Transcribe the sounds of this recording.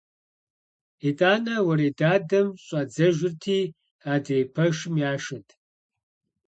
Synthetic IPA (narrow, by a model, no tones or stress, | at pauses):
eːtʼaːnɐwɐɾeːdaːdɐmɕʼɐd͡zɐʒɪrtʰiː | aːdeːpʰɐʂɪmjaːʃɐtʰ